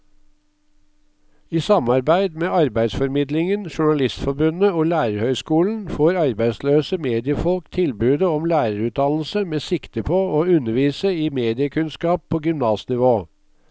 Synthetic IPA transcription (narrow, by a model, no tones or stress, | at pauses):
iːsɑmɑɾbæɪd̪meːɑɾbæɪd̪sfɔɾmɪd̪lɪŋənʃʊɳɑlɪst̪fɔɾbʉnəoːlæːɾəɾhœʏskuːln̩foːɾɑɾbæɪsløːsəmeːd̪ɪəfɔlkt̪ʰɪlbʉːd̪əɔmlæːɾəɾʉːt̪ʰɑnl̩səmeːsɪkt̪əpʰoːoːʉnəɾʋiːsəiːmeːd̪ɪəkʰʉnskɑːpʰːoːɡʏmnɑːsnɪʋoː